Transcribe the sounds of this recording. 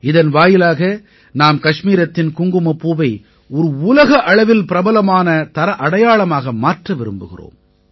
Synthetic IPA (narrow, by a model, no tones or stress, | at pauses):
ɪðɐnʋaːjɪlaːɣɐ | naːmkɐʂmiːɾɐt̪ːɪnkʊŋɡɯmɐpːuːʋɐɪ | ɔɾɯʊlɐɣɐʔɐɻɐʋɪlpɪɾɐbɐlɐmaːnɐt̪ɐɾɐʔɐɽɐjaːɭɐmaːɣɐmaːʈrɐʋɪɾɯmbɯɣɪ̰ro̰ːm